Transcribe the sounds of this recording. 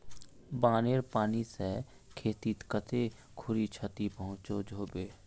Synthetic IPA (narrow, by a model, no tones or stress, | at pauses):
baːneːɾpaːnise | kʰeːt̪it̪kət̪e | kʰʊɾit͡ʃʰət̪ipəɦʊ̃t͡ʃod͡ʒʱoːbeː